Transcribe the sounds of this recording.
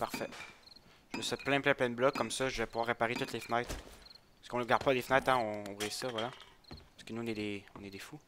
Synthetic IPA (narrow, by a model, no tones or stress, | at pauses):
paʁfɛ | ʒəməsɛt̪̚plɛ̃plɛ̃plɛ̃d̪əblɔkːɔmsɔʒəvɛpuvwaʁːepaʁet̪ut̪lefnajt̪paskɔ̃nəʁɡaʁd̪̚pɔd̪efnɛt̪ɛ̃ɔ̃ːbʁizsɔvwalapasə̥kənuɔ̃nɛd̪eɔ̃nɛd̪efu